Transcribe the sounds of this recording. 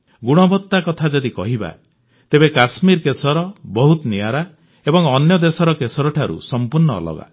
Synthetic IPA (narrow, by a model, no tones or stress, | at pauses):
ɡuɽ̃ɔbɔt̪ːakɔt̪ʰad͡ʒɔd̪ikɔɦiba̰ | t̪ebekasmiɾkesɔɾɔbɔɦut̪niaɾa | ebɔŋɔnjɔd̪esɔɾɔkesɔɾɔʈʰaɾṵsɔmpuɾɳɔ̰ːlɔ̰ɡa̰